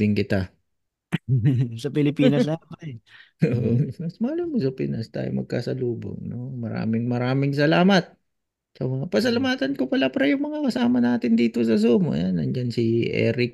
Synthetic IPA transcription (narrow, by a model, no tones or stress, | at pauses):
ɪŋkɪt̪a | sɐpɪlɪpiːnɐama | oːʔomɐsmɐalɪmosɐpɪnʔɐst̪a̰ːjo̰mɐ̰ɡ̚kasɐluːbo̰ŋnomɐɾa̰ːmɪŋmɐɾaːmɪŋsɐlaːmɐt̪̚ | sɐmɐŋapɐs̬ɐlɐmaːt̪ɐnkopɐlapɐɾɐjʊŋmɐŋakɐsaːmɐnaːt̪ɪnd̪iːt̪o̞sɐsumʔɐ̰janɐ̰nd͡ʒansiʔɛ̰ːɾɪk̚